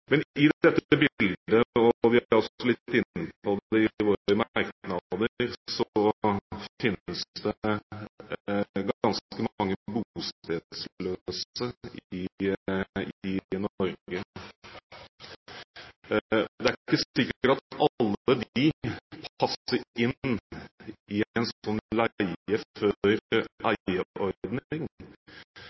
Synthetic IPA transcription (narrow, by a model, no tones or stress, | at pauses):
mɛnɪd̪ɛt̪ːəbɪld̪əɔʋɪhɾɔsɔlɪt̪ːɪnːəpʰɔd̪ɛɪʋoːɾəmɑɾknɑd̪əɾsɔ | fɪnəsd̪ɛ | ɡɑnskəmɑŋːəbust̪e̥ːsløːsəɪ | ɪnɔɾɡə | d̪ɛæækːəsɪkːəəʈɑt̪ɑlːəd̪ipʰɑsəɾɪn | ɪɛnsɔnːlæɪəœɾʔæɪəʔɔɾd̪nɪŋ